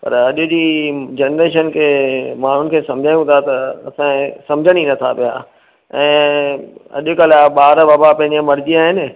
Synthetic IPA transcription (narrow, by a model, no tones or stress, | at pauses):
pɐ̰ɾɐʄʊd͡ʑiːd͡ʑeːnɾeːʃ̬ənkʰeːmã̤ːʊnɪ̆kʰeːsɐ̃md͡ʑʱaːjũt̪ʰat̪ɐɐsãsɐ̃md͡ʑʱəɽ̃inɐt̪ʰapija̰ | ɛ̃ː | ɐ̰ʄʊkɐl̤aɓaːɾbaːbapɐ̃ɦɪ̃ɲd͡ʑemɐɾd͡ʑiaːɦɪnɪ̆